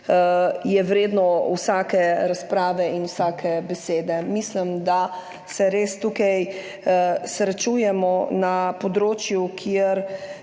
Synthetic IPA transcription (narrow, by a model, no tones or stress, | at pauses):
jɛwɾeːd̪nɔwsaːkɛɾaspɾaːʋɛinwsaːkʰɛbɛseːd̪ɛmislimd̪a | sɛɾeːst̪ukaj | sɾɛt͡ʃuːjɛmɔnapɔd̪ɾoːt͡ʃjukʰieɾ